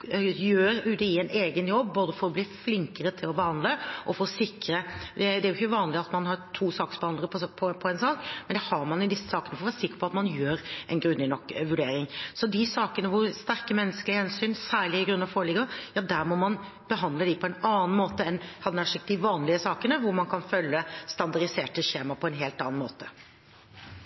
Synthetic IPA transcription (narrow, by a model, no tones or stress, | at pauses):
jøːɾʉːt̪əɪɛneːɡənjɔbːboːd̪əfɔɾɔbliːflɪŋkəɾət̪ʰɪlɔbəhɑnd̪ləʔɔfɔɾɔsɪkːɾəd̪ɛd̪ɛæɾjʊɪçəʋɑːnlɪɑt̪mɑnhɑɾt̪ʰuːsɑːksɔbəhɑnd̪əpʰɔpʰɔpʰɔɛnsɑːkmɛnd̪ɛhɑɾmɑnjʊd̪ɪsːə̥sɑːkənəfɔɾɔʋæːɾsɪkːə̥ɾpʰɔɑt̪mɑnjøːɾʔɛnɡɾʉnːɪnɔkːʋʉɖeːɾɪŋsɔd̪ɪsɑːkənəʋʊɾst̪æɾkəmɛnːəskəlɪəhɛnsyːnsæːɭɪɪɡɾʉnːɑfoːɾəɭɪɡəjɑːd̪æɾmɔmɑn | b̥əɦɑnd̪ləd̪ɪpʰɔɛnɑːn̩moːt̪əɛnhɑd̪ɛnæʂɪkd̪ɪʋɑːnlɪəsɑːkənəʋʊɾmɑnkʰɑnfœlːəst̪ɑnd̪ɑɾɪseːʈəɕeːmɑpʰɔɛnɦeːlt̪ɑ̰ːn̩mo̰ːt̪ə